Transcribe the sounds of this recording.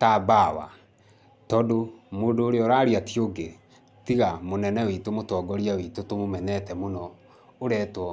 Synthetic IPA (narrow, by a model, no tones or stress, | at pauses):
taːbawa̰ | tɔdomoːdoːɾeɔɾaːɾiatioɡe | tiɣamonɛnɛwitomotɔːɡɔɾiawitotomomɛnɛtɛmonɔ | oɾɛːtwɔ